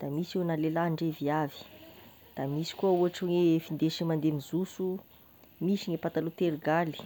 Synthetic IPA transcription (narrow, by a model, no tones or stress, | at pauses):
d̪̥amisenalelaɳɖ͡ʐeviavi̥ | d̪̥amisi̥kuauaʈ͡ʂuŋefind̪eʃimand̪emizusu | misiɲepat̪alut̪eɾɡali̥